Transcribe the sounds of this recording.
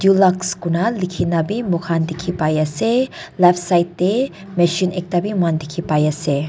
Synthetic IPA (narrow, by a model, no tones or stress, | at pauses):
d̪julakskunalikʰinabimukʰand̪ikʰipajaselafsajt̪ːe | mɛʃinʔek̚t̪abimuand̪ikʰipajase